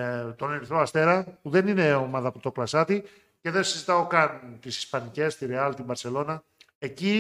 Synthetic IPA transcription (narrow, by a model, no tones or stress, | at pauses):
t̪o̞neɾiθɾo̞ɐst̪e̞ɾɐpuðe̞nine̞omɐðɐpɾot̪o̞klɐsɐt̪i | ce̞ðensizit̪ɐo̞kɐnt̪isi̥spɐnice̞st̪iɾeɐlt̪ibɐɾse̞lo̞nɐ | e̞ci